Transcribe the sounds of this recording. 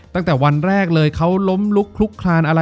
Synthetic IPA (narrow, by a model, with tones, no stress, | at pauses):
t̪a˥˩ŋt̪ɛː˨˩wa˧nɾɛː˥˩k̚lɤː˧jkʰa˦˥wlo˦˥mlu˦˥kʰlu˦˥kʰlaː˧nʔa˧ɾa˧